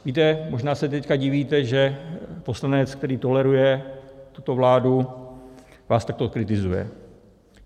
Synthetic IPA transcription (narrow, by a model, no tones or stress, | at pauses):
viːt̪ɛmo̞ʒnaːsɛt̪ɛckaɟɪviːt̪ɛʒɛpo̞slanɛt͡sk̚t̪ɛɾiːt̪o̞lɛɾujɛt̪ut̪o̞vlaːdu | vaːst̪akt̪okɾɪt̪ɪzujɛ̰